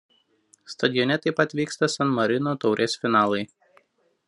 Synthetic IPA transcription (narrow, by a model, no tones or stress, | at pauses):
st̪ɐd̪ʲɪjɔnʲɛt̪ɐɪpɐt̪ʲʋʲiːkst̪ɐsɐnmɐɾʲɪnoːt̪ɒʊɾʲʔeːsfʲɪnɑːlˠɐɪ